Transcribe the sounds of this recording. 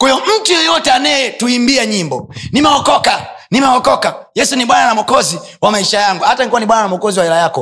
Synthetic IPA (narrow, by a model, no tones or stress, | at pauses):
kɔjɔm̩tujɔjɔtɛanajɛtuimbiaɲimbɔnimɛɔkɔkanimɛɔkɔkajɛsuniɓwananamwɔkɔzi | wamaiʃajaŋɡuhatanikuwaniɓwananamɔkɔziwahɛlajakɔ